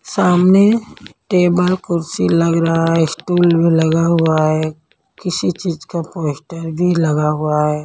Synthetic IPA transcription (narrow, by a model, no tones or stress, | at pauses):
saːmneʈeːbəlkʊɾsilɐɡɾɐɦaɦɛsʈuːlbʱilɐɡaɦʊaɦɛː | kɪsit͡ʃiːd͡ʒkapoːɪsʈəɾbʱilɐɡaɦʊaɦɛː